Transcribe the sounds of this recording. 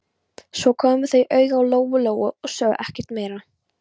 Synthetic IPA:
sɔkʰɔːmʏɾ̥θejʔœɥɣawloːwvʏloːwɣʏɔɣsœːɣ̰ʔɛhcɪɾ̥t̪meːjɾa

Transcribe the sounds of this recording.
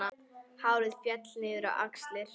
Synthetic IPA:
a | haːwɾɪðfjɛt̪lnɪːðʏɾa̰wʔa̰kslɪɾ̥

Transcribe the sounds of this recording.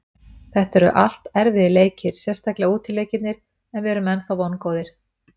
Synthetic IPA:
θɛht̪ɛɾʏ̰ʔa̰l̥t̪ɛɾvɪðɪleːjcɪɾ̥sjɛ̥st̪ajklɪauːt̪ʰɪlːeːjcɪt̪nɪɾ̥ | ɛnvɪɛɛɾʏmɛnfawvɔnkoːwðɪɾ̥

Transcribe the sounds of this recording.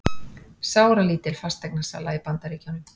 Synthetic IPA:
saːwɾaliːt̪ɪlfast̪ːɛknasa̰la̰ːjpant̪aɾiːcawnʏm

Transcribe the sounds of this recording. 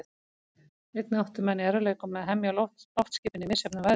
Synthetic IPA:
ejt̪nɪowht̪ʏmɛnːiɛɾvʏleːjkʏmːɛðɦɛmjalɔt̪lɔwft̪scɪːpɪnːɪmɪ̥sɛpnava

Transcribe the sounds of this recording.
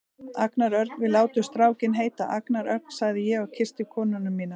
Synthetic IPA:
aknaɾœɾ̥t̪nvɪðlaːwt̪ʏst̪ɾaːwcɪnɦeːjt̪aʔaknaɾœɾk̚n̥saɣðɪjɛɣacʰɪr̥st̪ɪkʰɔːnʏnʏmːiːna

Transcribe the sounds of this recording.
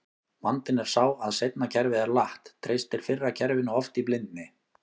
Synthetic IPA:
mant̪ɪnɛɾ̥saːwaðsejt̪̚nacʰɛɾvɪðɛɾlaht̪ʰːɾejst̪ɪl̥fɪrːacʰɛɾvɪnʏɔft̪iplɪnt̪nɪ

